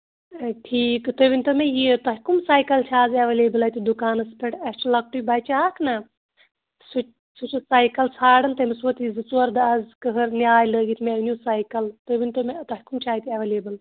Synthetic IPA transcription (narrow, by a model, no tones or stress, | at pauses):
ʈʰiːkt̪obinʲt̪omejit̪ɐɦkumsaːjkɐlt͡ʃʰaːzɐʋeleːbɨlɐt̪ʲid̪ukaːnɐspʰeʈɐsʈlɐk̚ʈuibɐt͡ʃaːkʰnɐ | su | sut͡ʃusaːjkɐlsʰaːɽɐnt̪ɐmɐsʋut̪izɨt͡suɐɾd̪ɐɐzkəɦɐɾnʲaːjləːɡit̪ʰmeʋnʲjuːsaːjkɐlt̪obinʲt̪omet̪ɐɦkumt͡ʃʰaːit̪ʲiɐʋeleːbɨl